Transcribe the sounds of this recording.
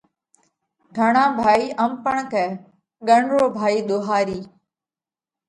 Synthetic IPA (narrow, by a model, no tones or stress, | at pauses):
ɡʱəɳãːbʱaːiːʔəmpəɳkɛː | ɠəɳɾoːbʱaːiːɗ̪oːɦaːɾiː